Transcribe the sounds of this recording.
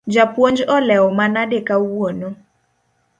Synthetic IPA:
d͡ʒapwoɲd͡ʒɔlɛwɔmanadekawono

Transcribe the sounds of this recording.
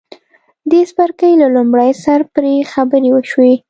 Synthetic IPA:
d̪espaɾkəjlalʊmɽajsaɾpɾexabəɾewəʃwi

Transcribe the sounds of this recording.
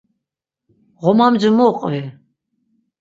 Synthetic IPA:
ʁɔmamd͡ʒəmɔqʼɛ

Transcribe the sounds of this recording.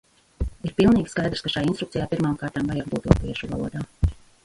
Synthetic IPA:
iɾpilˠniːɡʲiskajd̪ɾskaʃajaint̪ɾukt̪ijaːpiɾmaːmkaːɾt̪aːmvajaɾbuːt̪uɔpiɛʃuva̰lˠuɔd̪aː

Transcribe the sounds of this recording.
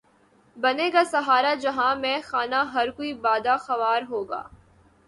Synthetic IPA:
bɐnekasɐɦaːɾad͡ʒɐɦãmɛ̃ːxaːnaɦɐɾkoibaːd̪axɐʋaːɾɦoːɡa̰ː

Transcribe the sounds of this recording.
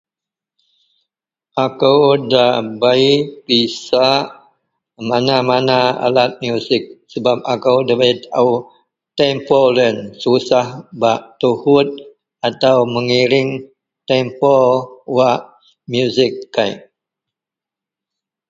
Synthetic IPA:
ʔakəwdabaipisaʔ | manamanaa̰lat̪̚mjusɪk̚səbap̚akəwdabait̪au | t̪ɛmpɔlənsusahbaʔt̪uhʊt̪̚ | at̪awməŋiɾɪŋ | t̪ɛmpɔwaʔ | mjuzɪkːaj

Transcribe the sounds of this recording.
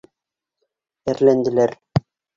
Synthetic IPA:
ɘɾlænd̪ɘ̆læɾ

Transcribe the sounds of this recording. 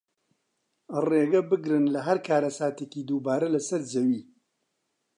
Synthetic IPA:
reːɡɐbɨɡɾɨnlɐɦɐɾkʰaːɾɐsaːt̪ekiːd̪uːbaːɾɐlɐsɐɾd͡ʒɐwiː

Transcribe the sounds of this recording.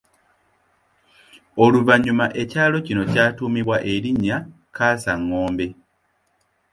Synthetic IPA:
o̞luβaɲumaʔe̞caːlo̞cino̞caːtuːmiβwaʔe̞liɲa | kʰaːsaŋo̞ːmbe̞

